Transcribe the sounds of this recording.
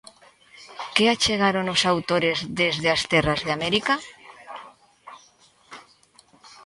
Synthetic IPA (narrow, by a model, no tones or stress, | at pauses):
keat͡ʃeɣaɾonosawt̪oɾezðezðeast̪ɛrazðeamɛɾika